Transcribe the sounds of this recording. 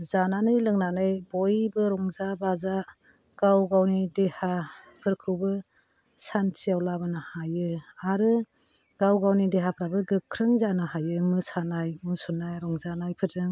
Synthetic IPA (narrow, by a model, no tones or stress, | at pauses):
zananɯjlɯŋnanɯjbɔjbɯɾɔŋzabaza | ɡ̥awɡawnideha | pʰɯɾkʰɯwbɯ | sant͡ʃijawlabɯnahajɯaɾɯ | ɡ̥awɡawnideɦapʰɾabɯɡɯkʰɾɯŋzanaɦajɯmɯsanajmɯsunːajɾɔŋzanajpʰɯɾɯŋ